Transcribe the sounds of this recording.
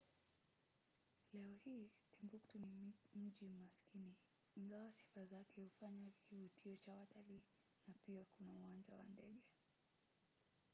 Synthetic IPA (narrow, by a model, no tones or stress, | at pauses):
lɛɔhiːtimɡuktunim̩ʄimaskini | iŋɡawasi̥fazakɛhufaɲakivutʰiɔt͡ʃawataliː | napiakunauwand͡ʒa̰wa̰ndɛɠɛ